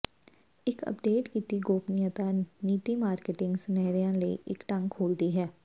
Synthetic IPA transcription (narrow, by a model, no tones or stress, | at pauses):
ɪkə̰pɖeːʈkit̪iɡoːpnijat̪aniːt̪imaːɾkeʈɪ̃ŋɡsnɛːɾijãlḛʔɪ̰kʈɐ̃ŋkʰːoːld̪iɦɛː